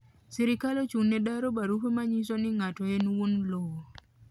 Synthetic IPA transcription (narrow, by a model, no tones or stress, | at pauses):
siɾɪkalot͡ʃunːedaɾobaɾupemaɲisonɪŋatɔenwunlɔwɔ